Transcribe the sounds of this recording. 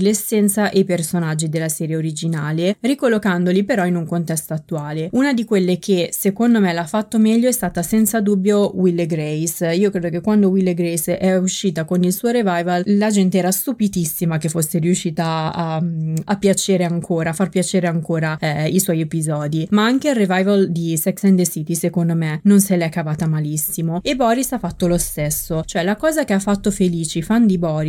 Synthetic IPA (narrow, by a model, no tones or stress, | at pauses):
lesːɛnt̪saʔejpersonad͡ʒːid̪elːasɛːɾjeoɾid͡ʒinaːlerikolːokand̪olipeɾɔinuŋkont̪ɛst̪oat̪ːuaːleunad̪ikwelːekʰesekond̪omelafːat̪ːomɛʎːoɛst̪aːt̪asɛnt̪sad̪ubːjowilːeɡɾejsiːokɾeːd̪okekːwand̪owilːeɡɾɛjsɛuʃːiːt̪akonilsuːoɾevajvallad͡ʒɛnt̪eɛːɾast̪upit̪isːimak̟efːosːeɾiuʃːiːt̪aː | apːjat͡ʃeːɾeaŋkʰoːɾaːfarpjat͡ʃeːɾeaŋkoːɾaiswɔjepizɔːd̪imaaŋkeilrevajvald̪isɛksɛnd̪esiːt̪isekond̪omenonselɛkːavaːt̪amalisːimoebɔːɾisafːat̪ːolost̪esːot͡ʃoɛlakɔːzakeafːat̪ːofeliːt͡ʃifand̪ibɔːɾi